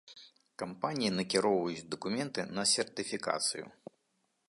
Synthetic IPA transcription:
kampanʲijinɐkʲiɾɔwvɐjut͡sʲd̪ɐkumʲɛnt̪ɨnɐsʲɛrt̪ɨfʲika̰t̪sɨ̰jṵ

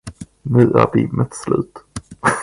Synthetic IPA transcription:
nʉ̟ːʔæːɾbɪmːət̪slʉ̟ːt̪

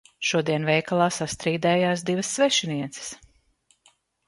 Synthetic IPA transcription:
ʃuɔd̪iɛnvɛjkalˠaːsast̪ɾiːd̪ɛːjaːsd̪ivɐsːvɛʃiniɛt̪sɪ̥s

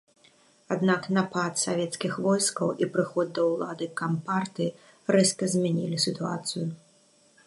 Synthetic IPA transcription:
ad̪naknapat̪savʲɛt̪skʲixvɔjskɐwʔipɾɨxɔd̪̚ːɐwlˠad̪ɨkampart̪ɨ | ɾɛst̪ɐzʲmʲanʲḭlʲisʲɨt̪uat̪sɨju

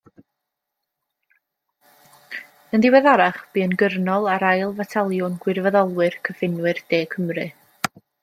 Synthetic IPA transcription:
əndɪwɛðaɾaχb̥iːənɡərnɔlˠaɾajlˠvatʰalˠjʊnɡwɪrvəðɔlˠwɨrkʰəfɪnwɨrd̥eːkʰəmrɨ

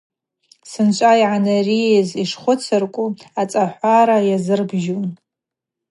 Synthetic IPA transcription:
sɨnt͡ʃʷʼajʕanarieziʂχʷʊt͡sʰɨrkʷʼuat͡sʼaħʷaɾajazɨrbʒun

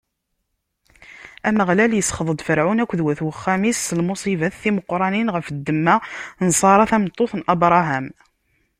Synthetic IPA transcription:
æməʁlæljəsːχðˤəd̪ˤfəɾʕʊnækʷːðwæθwəχːæmisːəlmusˤivæθθiməqːɾˤɑninʁəfd̪ːəmːænsˤɑɾˤɑθæmt̪ˤːoθnʔɑbɾˤɑɦæm

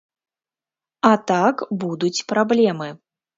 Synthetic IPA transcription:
at̪akbud̪ut͡sʲpɾablʲɛmɨ

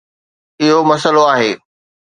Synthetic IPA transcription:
ɪɦomɐsəloaːɦeː

